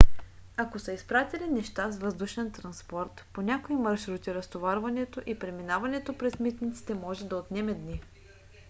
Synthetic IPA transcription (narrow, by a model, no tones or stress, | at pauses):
akosɐispɾat̪ilinɛʃt̪asvəzd̪uʃɛnt̪ɾɐnspɔɾt̪ponʲakoimɐɾʃɾut̪iɾɐst̪ovaɾvɐnɛt̪oʔipɾɛminavɐnɛt̪opɾɛsmit̪nʲit̪si̥t̪ɛmɔʒɛd̪ɐot̪nɛmɛd̪ni